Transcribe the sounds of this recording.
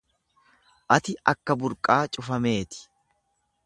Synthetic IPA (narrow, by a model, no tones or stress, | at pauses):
ʔɐt̪ɪɐkːɐbʊɾkʼaːt͡ʃʼʊfɐme̞ːt̪ɪ̥